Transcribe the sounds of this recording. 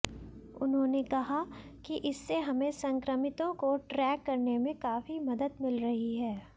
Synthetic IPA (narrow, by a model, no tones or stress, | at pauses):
ʊ̰nɦõːnekɐɦakiʔɪsːeɦɐmẽsɐ̃ŋkɾəmɪt̪õkoʈɾɛːkːɐɾnemẽkaːfimɐd̪əd̪mɪlɾɐɦiɦɛː